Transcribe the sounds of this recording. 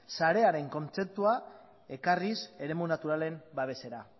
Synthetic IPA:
saɾe̞aɾe̞ŋko̞nt͡se̞p̚t̪ua | e̞karise̞ɾe̞munat̪uɾale̞mbaβe̞se̞ɾa

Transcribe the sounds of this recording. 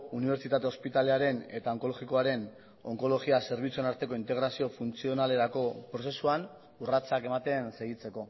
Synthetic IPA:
uniβ̞e̞ɾt͡sit̪at̪e̞o̞spit̪aleaɾe̞ne̞t̪ao̞ŋko̞loɣiko̞aɾe̞n | o̞ŋko̞lo̞ɣiase̞ɾβ̞it͡sue̞naɾt̪e̞ko̞int̪e̞ɣɾasio̞funt͡sio̞nale̞ɾako̞pɾo̞se̞suan | urat͡sake̞mat̪e̞nse̞ɣit͡se̞ko̞

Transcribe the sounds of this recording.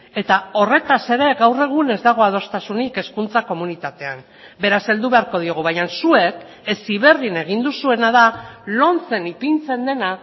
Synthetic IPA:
e̞t̪ao̞re̞t̪ase̞ɾe̞ɣawre̞ɣ̞une̞zd̪aɣ̞o̞að̞o̞st̪asunike̞skunt͡sako̞munit̪at̪e̞am | be̞ɾase̞ld̪uβe̞aɾko̞ð̞io̞ɣ̞uβajansue̞k | esiβ̞e̞rðine̞ɣ̞ind̪usue̞naðalo̞nt͡se̞nipint͡se̞nd̪e̞na

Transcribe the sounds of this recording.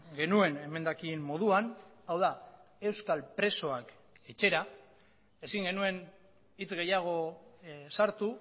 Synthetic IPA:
ɡe̞nue̞ne̞me̞nd̪akimmo̞ð̞uan | awða | e̞wskalpɾe̞so̞ak | e̞t͡ʃe̞ɾa | e̞siŋɡe̞nue̞n | it͡sɣe̞jaɣ̞o̞ | saɾt̪u

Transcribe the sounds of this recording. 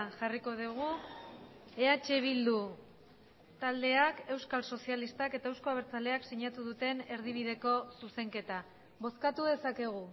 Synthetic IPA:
ʝariko̞ðuɣ̞u | e̞at͡ʃe̞β̞ild̪u | t̪ald̪e̞ake̞wskalso̞sialist̪ake̞t̪ae̞wsko̞aβ̞eɾt͡sale̞aksiɲat̪uðut̪e̞ne̞ɾð̞iβ̞ið̞e̞ko̞suse̞ŋke̞t̪a | βo̞skat̪uðe̞sake̞ɣ̞u

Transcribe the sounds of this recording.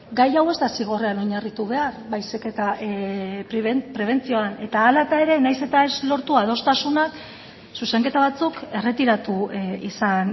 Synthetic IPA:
ɡajawe̞zt̪asiɣ̞o̞reano̞ɲarit̪uβe̞aɾβajsike̞t̪a | pɾeβepɾe̞β̞e̞nt͡sio̞ane̞t̪aːlat̪ae̞ɾe̞najse̞t̪ae̞zlo̞ɾt̪uað̞o̞st̪asunak | suse̞ŋke̞t̪aβat͡suke̞re̞t̪iɾat̪uisan

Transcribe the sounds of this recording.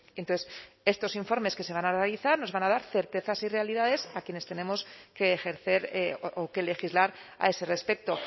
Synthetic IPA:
ent̪oθes | e̞st̪o̞siɱfo̞ɾme̞ske̞seanarealiθaɾno̞zβanað̞aɾθe̞ɾt̪e̞θasire̞aliðaðe̞sakje̞ne̞st̪e̞ne̞mo̞ske̞ːxe̞ɾθe̞ɾoke̞le̞xizlaɾa̰e̞se̞re̞spe̞k̚t̪o̞

